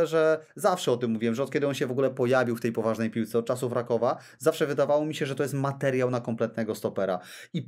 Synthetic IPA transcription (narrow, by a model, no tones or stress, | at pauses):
ʐɛzafʂɛɔt̪ɘmːuvʲiwɛmʐɛɔt̪̚kʲɛd̪ɘɔnɕɛvɔɡulɛpɔjavʲiwft̪ɛjpɔvaʐnɛjpʲiwt̪sɛɔt̪̚t͡ʂasufɾakɔva | zafʂɛvɘd̪avawɔmʲiɕɛʐɛt̪ɔjɛs̬t̪mat̪ɛɾʲjawnakɔmplɛt̪̚nɛɡɔst̪ɔpɛɾa̰ | i